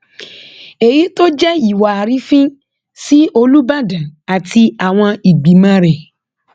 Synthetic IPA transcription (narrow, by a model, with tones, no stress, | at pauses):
e˨ji˨˦to˦d͡ʒɛ˦i˨wa˨a˨ɾi˨˦fĩ˦ | si˦o˧lu˦ba˦˨dã˨a˨ti˧a˨w̃ɔ̃˧i˨ɡ͡bi˨mã˦ɾɛ˨